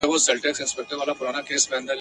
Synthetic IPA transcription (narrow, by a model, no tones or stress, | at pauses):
ɛʋosɛlʈɛːksɪ̃nspɛk̚ʈəɾʋaːlapʊɾaːnakeːsbẽə̃nd̪əɾ